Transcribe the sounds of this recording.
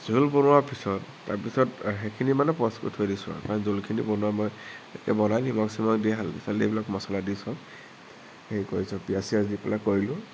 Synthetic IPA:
z̥ulbɔnʊwapisɔtːa̰ɹpisɔtxekʰinimanɛpɔskṵtʰojdisa̰kaɹɔnzolkʰinḭbɔnʊwamɔjekɛ̰bɔnajnimɔksimɔkdiɛɦalpisalejbilakmɔsɔladisɔ | heikoɹisɔ̃pijasiazdipɛlakoɹilʊ̃

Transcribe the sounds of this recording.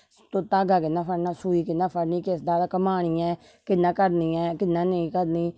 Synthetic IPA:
t̪oːt̪aːɡaːkɪnːãːpʰəɽnaːsuːiːkɪnːãːpʰəɽniːkɪsd̪aːd̪aːkəmaːɽ̃iːɛ̃ː | kɪnːãːkəɾniːɛːkɪnːãːnəĩːkəɾniː

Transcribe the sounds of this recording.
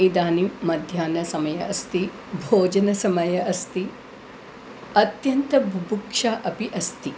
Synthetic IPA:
id̪aːnimɐd̪ʱjaːnɐsɐmɐjɐʔɐst̪i | bʱoːd͡ʒɐnɐsɐmɐjɐʔɐst̪i | ɐt̪jɐnt̪ɐbʱubʱukʂaːʔɐpiʔɐst̪i

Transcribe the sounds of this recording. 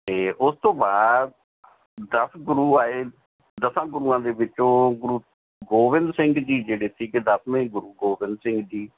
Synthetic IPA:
t̪eːʔʊst̪õːbaːdd̪ | d̪əsʰɡʊɾuːaːeː | d̪əsãːɡʊɾuːãːd̪eːʋɪt͡ʃːõːɡʊɾuː | ɡoːʋɪ̃nd̪sɪ̃ŋɡd̪iːd͡ʒeːɽeːt̪ʰiːkɪd̪əsʰmẽːɡʊɾuːɡoːbɪ̃nd̪sɪ̃ŋɡd̪iː

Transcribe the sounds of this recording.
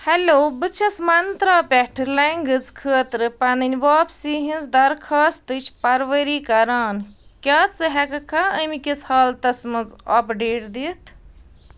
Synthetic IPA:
hɐloːbɨt͡ʃʰɐsmɐnt̪ɾaːpʲɛʈʰɨlɐŋɡɨzkʰəːt̪ɾɨpɐnɨnʲʋaːpsiɦĩnzd̪ɐɾkʰaːst̪ɨt͡ʃʰpɐɾʋəɾiːkɐɾaːnkʲaːt͡sɨɦɛkɐkʰaəmikʲishaːlt̪ɐsmɨzɔːpɖeːʈd̪it̪ʰ

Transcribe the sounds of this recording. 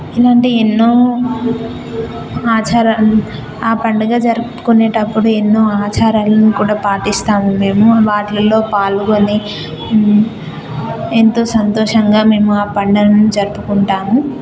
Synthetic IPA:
ilaːɳʈienːoː | aːt͡ʃaːɾan | aːpɐɳɖɐɡaːd͡ʒɐɾupu̥kuneːʈɐpːuɽuenːo̞ːaːt͡ʃaːɾaːlɐnikuːɽaːpaːʈist̪aːmume̞ːmuʋaːʈlɐlo̞ːpaːlukoni | ent̪o̞ːsɐnt̪oːʂɐŋɡaːme̞ːmuaːpɐɳɖɐlɐnud͡ʒɐɾupukuɳʈaːmu

